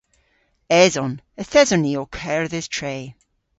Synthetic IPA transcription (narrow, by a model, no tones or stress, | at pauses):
ɛzɔn | əθɛzəniokʰɛɹðɪz̥tʰɹ̥eː